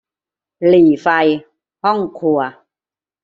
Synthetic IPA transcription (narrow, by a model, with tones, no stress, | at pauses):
liː˨˩fa˧j | hɔ˥˩ŋkʰu˧ɐ